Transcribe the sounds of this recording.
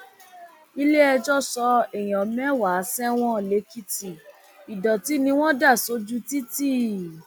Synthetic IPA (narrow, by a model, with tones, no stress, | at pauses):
i˧le˦ɛ˧d͡ʒɔ˦˨sɔ˧ɛ˨j̃ɔ̃˨˦mɛ̃˦wa˨˦sɛ˦w̃ɔ̃˦˨le˨˦ki˦ti˨ | i˨dɔ˨ti˨˦nĩ˧w̃ɔ̃˦da˦˨so˨˦d͡ʒu˦ti˦ti˦˨